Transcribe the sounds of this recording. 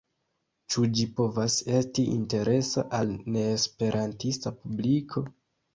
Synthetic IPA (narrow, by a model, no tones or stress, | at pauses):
t͡ʃud͡ʒipo̞vase̞stiʔinte̞ɾe̞saʔalne̞ːspe̞ɾʔantistapublikʰo̞